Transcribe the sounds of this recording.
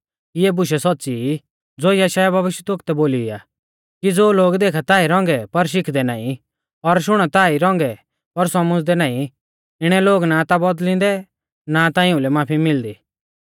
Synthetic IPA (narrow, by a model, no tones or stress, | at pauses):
ɪɛbʊʃ̬ɛsɔtːsi | d͡zoːjɐʃaːjabɐʋɪʃjət̪ʊkt̪ɛboːliɪa̰ː | kid͡zoːloːɡd̪eːkʰat̪aːiɾɔ̃ːŋɡɛpɐɾʃ̬ɪkʰd̪ɛna̰ːĩ | ɔɾʃʊɽ̃ɔt̪aːiɾɔ̃ːŋɡɛ | pɐɾsɔmʊ̃d͡zd̪ɛnaːĩ | ɪɽ̃ɛloːɡnat̪abɔd̪lɪ̃nd̪ɛ | nat̪aɪ̃ʊ̃lɛmaːpʰimɪld̪iː